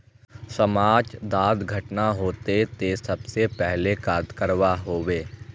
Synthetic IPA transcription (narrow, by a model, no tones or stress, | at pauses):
səmaːd͡ʒd̪aːd̪ɡʱɐʈnaɦoːt̪et̪esɐbsepɛɦlekaːd̪kəɾwaɦoːweː